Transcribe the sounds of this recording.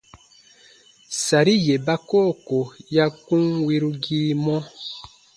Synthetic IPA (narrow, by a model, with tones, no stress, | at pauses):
sa˨ɾi˦je˨ba˦koː˦˨ko˨ja˦kũ˦ŋwi˦ɾu˦ɡiː˦mɔ̃˦